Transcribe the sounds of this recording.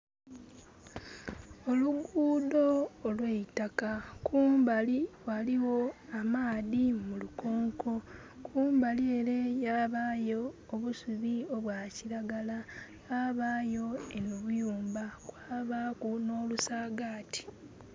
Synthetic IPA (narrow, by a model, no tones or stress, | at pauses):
o̞luɡuːdo̞ːlweitakakuːmbaliwaliwo̞amaːðimuluko̞ːŋkʰo̞ | kʰuːmbalie̞ɾe̞jaβaːjo̞ː | βusuβio̞βwaciɾaɡala | aβaːjo̞enuβujuːmbakwaːβakuno̞ːlusaːɡaːtʰi̥